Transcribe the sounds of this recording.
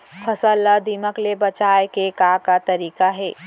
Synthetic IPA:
fʰɐsəlːad̪iməklebɐt͡ʃaːekekaːkat̪ɐɾiːkaɦɛː

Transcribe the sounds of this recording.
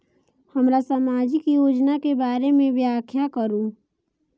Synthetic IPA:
həmɾasaːmaːd͡ʒikijoːd͡ʒnakebaːɾemẽʋjaːkʰjakəɾũː

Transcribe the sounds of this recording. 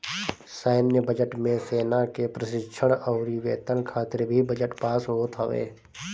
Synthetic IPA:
saːɪmnjəbəd͡ʒəʈmẽseːnakepɾəʃɪkʃʰəɽ̃ɔːɾiʋeːt̪ənkʰaːt̪ɪɾbʱibəd͡ʒəʈpaːsɦoːt̪ɦəʋḛː

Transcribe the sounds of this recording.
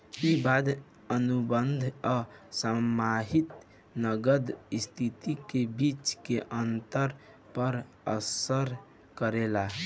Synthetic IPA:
ibad̪ | ənubənd̪ʱɔsəmaɦit̪ | nəɡəd̪st̪ʰit̪ikebit͡ʃkeʔənt̪əɾ | pəɾ | ə̰səɾ | kəɾela

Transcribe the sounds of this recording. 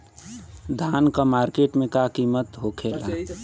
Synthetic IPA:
d̪ʱaːnkamaːɾkeːʈmẽkakiːmət̪ɦokʰeːla

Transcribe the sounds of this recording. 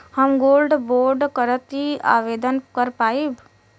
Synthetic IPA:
həmɡoːlɖboːɾɖkəɾət̪ia̰ːʋeːd̪ənkəɾpaːib

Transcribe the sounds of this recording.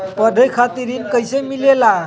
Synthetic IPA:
pəd̪ʱejkʰat̪iɾiːnkəjsemilela

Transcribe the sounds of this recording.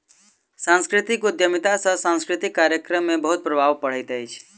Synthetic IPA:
sãnskɾɪt̪ikʊd̪jəmit̪asəsãnskɾit̪ikːaɾjəkɾəmebəɦut̪̚pɾəbʱaʋpəɭ̤ejt̪ajt͡ʃʰe̥

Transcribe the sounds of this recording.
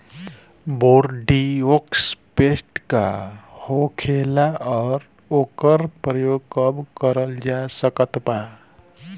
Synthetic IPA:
boɾɖiokspesʈka̰hokʰelaɔːɾ | okəɾpɾəjoɡ̚kəbkəɾəld͡ʒasəkət̪ba

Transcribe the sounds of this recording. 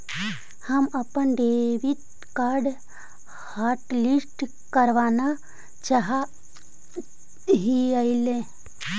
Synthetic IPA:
həməpənd̪eʋit̪̚ | kaɾɖ | haːɾʈlisʈ | kəɾʋaːna | t͡ʃaɦa | ɦiəilẽ

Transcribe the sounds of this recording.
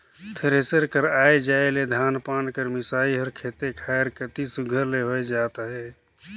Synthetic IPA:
t̪ʰeɾeːsəɾkəɾaːed͡ʒaːeled̪ʱaːnpaːnkəɾmɪsaːiɦɔːɾkʰeːt̪ekʰaːeɾkət̪isʊɡʱəɾleɦoed͡ʒaːt̪aɦɛː

